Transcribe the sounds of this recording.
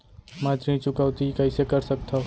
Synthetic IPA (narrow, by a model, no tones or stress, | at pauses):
mat̪ɾĩt͡ʃʊkaʊt̪ikəɪsekəɾsək̚t̪ʰo